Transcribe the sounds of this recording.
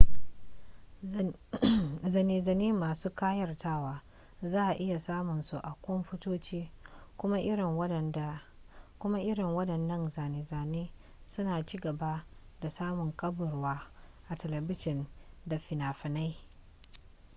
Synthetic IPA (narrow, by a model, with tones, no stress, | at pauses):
zɐ˨niː˨zɐ˨niː˦maː˨suː˦kaː˦jɐ˦˨rtaː˦waː˨ | zaː˦ʔa˨ʔɪ˦ja˨saː˦mʊ˨nsu˨ʔa˨kʷʊ˦mɸʊ˦toː˦t͡ʃiː˦kʷʊ˦ma˦ʔɪ˦ɾɪ˨˦˨ | kʷʊ˦ma˦ʔɪ˦ɽɪ˨ŋwɐ˦dɐ˨nːɐ˦nza˨neː˨za˨neː˦ | sʊ˦naː˨t͡ʃiː˦ɡɐ˨ba˦ | da˨saː˦mʊ˨ŋkʼɐ˦bʊ˨rwaː˦ʔa˨tɛ˨lɛ˨bɪ˦ʃɪ˨nda˨ɸɪ˨naː˨ɸɪ˨na˦j